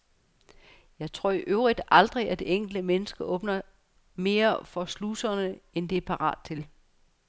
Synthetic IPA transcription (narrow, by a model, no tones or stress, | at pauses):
jɑ̈ɪt͡sʰʁo̝ɐ̰iʔøʊʁid̥ʔɑ̈ld̥ʁiæd̥e̝eŋ̰ɡ̥l̩d̥əmenəsɡ̥əʔɔ̽ːb̥nɐ | me̝ːɐfɒ̽slusɐnəend̥e̝æɐpʰɑ̈ʁɑ̰ːd̥̚t͡sʰe̝l